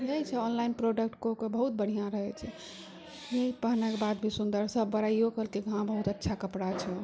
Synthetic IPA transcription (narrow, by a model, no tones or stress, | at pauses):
ɦet͡ʃʰɛɔnlainpɾoɖəkʈkokebəɦut̪̚bəɽ̤ijãɾəɦɛt͡ʃʰɛ | eipəɦnakebad̪̚bʱisund̪əɾsəbːəɾaiokəlkiɡʱãbəɦut̪ətːʃʰakəpɽat͡ʃʰɛ